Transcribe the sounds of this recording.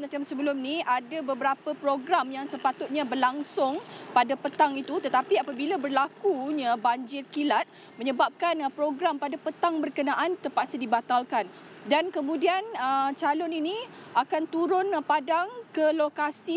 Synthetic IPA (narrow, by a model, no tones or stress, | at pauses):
nət̪iamsəbəlʊmniʔadabəbəɾapəpɾoɡɾamjaŋsəpat̪ʊt̪̚ɲabərlaŋsʊŋpadapət̪aŋit̪ut̪ət̪apiapabilabərlakuɲabaɲd͡ʒɪrkilat̪̚ | mə̃ɲəbap̚kanpɾoɡɾampadapət̪aŋbərkənaʔant̪əpaʔsadibat̪alkan | dankəmũdianət͡ʃalʊniniʔakant̪uɾʊnpadaŋkəlokasi